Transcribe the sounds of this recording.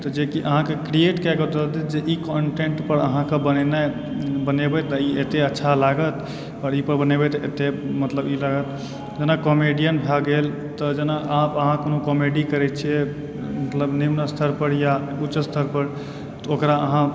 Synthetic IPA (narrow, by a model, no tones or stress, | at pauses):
t̪ɔd͡ʒekiʔəɦãkekɾieʈkɛkəd̪əlt̪ɛd͡ʒeʔikɔɳʈeɳʈpəɾə̰ɦãkebənɛna | bənebɛt̪əiʔet̪eətːʃʰalaɡət̪ | ɔːɾipəɾbənebɛt̪ḛt̪emət̪ləbilaɡət̪ | d͡ʒenakɔmeɖijənbʱaɡel | t̪əd͡ʒenaʔaɦpəɦãkonokomeɖikəɾɛt͡ʃʰije | mət̪ləbnimnəst̪ʰəɾpəɾjaut͡ʃəst̪ʰəɾpəɾ | t̪ɔokɾaəɦã